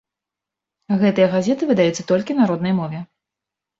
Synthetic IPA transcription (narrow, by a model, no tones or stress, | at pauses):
ɣɛt̪ɨjɐɣazʲɛt̪ɨvɨd̪ajɛt̪sːɐt̪ɔlʲkʲinaɾɔd̪nɐjmɔvʲɛ